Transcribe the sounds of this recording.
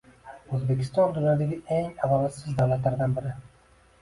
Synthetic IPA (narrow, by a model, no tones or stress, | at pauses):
ɵzbe̞kʲʰɪ̥st̪ɒnd̪ʊnjɒd̪aɡʲɪeŋavɒlasɪzd̪awlat̪laɾd̪anbɪɾɪ